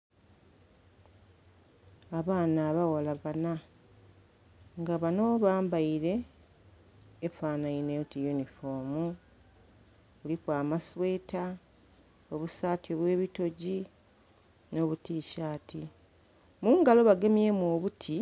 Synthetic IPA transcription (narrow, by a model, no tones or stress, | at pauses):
aβaːnaːβawalaβana | ŋɡaβano̞βaːmbaiɾe̞ | faːnaineutijunifo̞mu | βulikwaːmaswe̞ːta | oβusaːtjoβwe̞ːβito̞ɟi | no̞ːβutiːʃaːtʰi | muːŋɡalo̞βaɡe̞mje̞muoβutʰi